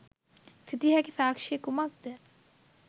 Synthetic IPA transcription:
sit̪iɦækisaːkʂiekumɐk̚d̪e

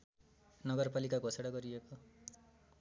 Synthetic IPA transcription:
nʌɡʌrpalikaɡʱoseɽʌɡʌɾieko

